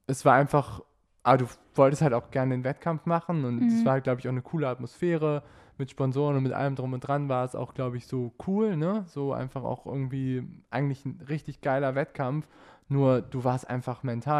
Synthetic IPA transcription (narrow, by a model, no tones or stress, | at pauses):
ʔɛsv̥aːɐʔaɪnfaχ | ʔaːbɐduː | v̥ɔltəsthaltaʊxɡ̥ɛɐnədeːnvɛtkʰamfmaχn̩ʊntsv̥aːɐhalt̚ɡ̥laʊbəɪçʔaʊxnəkʰuːləatmosfeːʁə | mɪtʃpɔnzoːʁənʊntmɪtʔa̰ləmdʁʊmʊnd̥ʁanvaːɐɛsa̰ʊxɡ̥laʊbəɪçz̥oːkʰuːlnəz̥oːʔa̰ɪnfaχa̰ʊxʔɪ̰ɐɡŋ̩tv̥iːʔa̰ɪɡŋ̩tlɪçn̩ʁɪçtɪçɡ̥aɪlɐvɛtkʰamfnuːɐd̥uːvaːɐstʔa̰ɪnfaχmɛntʰaː